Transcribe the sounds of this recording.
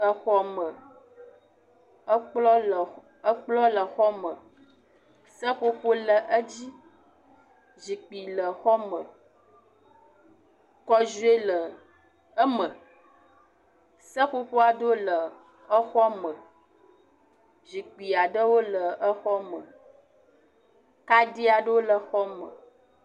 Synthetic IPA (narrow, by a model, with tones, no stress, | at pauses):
ə˦xɔ˦mə˨˦ | k͡plɔ˦˨ | ə˦k͡plɔ˦lə˨xɔ˦mə˨ | sə˦ɸo˦ɸo˦lə˨ʔə˦d͡ʑi˦ | zi˨k͡pi˨lə˨xɔ˦mə˨ | kɔ˦ʒu˦e˦lə˨ | ə˦mə˨ | sə˦ɸo˦ɸo˦a˨ɖo˦lə˨ | ə˦xɔ˦mə˨ | zi˨k͡pi˨a˨ɖə˦wo˦lə˨ə˦xɔ˦mə˨ | ka˦di˦a˨ɖə˦wo˦lə˨xɔ˦mə̰˨